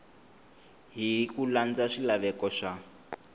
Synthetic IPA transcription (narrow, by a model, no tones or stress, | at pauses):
ɦikuland͡zaʂilaβɛkɔʂa